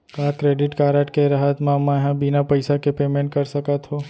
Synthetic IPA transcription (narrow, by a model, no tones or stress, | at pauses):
kaːkɾeːɖɪʈkaːɾəʈkeɾɐɦət̪mãːmãɦãbinapɐɪsakepeːmẽɳʈ̚kɐɾsɐkət̪ɦoː